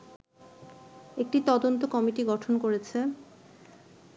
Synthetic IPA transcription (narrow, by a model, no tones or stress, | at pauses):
ek̚ʈit̪ɔd̪ont̪okɔmiʈiɡɔʈʰonkoɾet͡ɕʰe